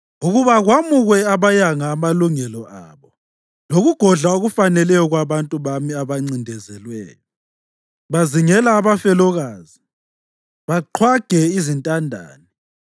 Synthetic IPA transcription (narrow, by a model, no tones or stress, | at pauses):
uɣuβaɣwamuɣwɛaβajaŋaːmaluŋɛlɔa̰ːβɔ | loɣuɡ̥ʱɔɮaoɣufanɛlɛjɔɣwaβantʼuβamiaβaŋ͡ǀindʱɛzɛlwɛ̰ːjɔ | βaziŋɛlaːβafɛlɔɣaːzi | βaǃʰwaɡ̥ʱɛizintʼandʱa̰ːni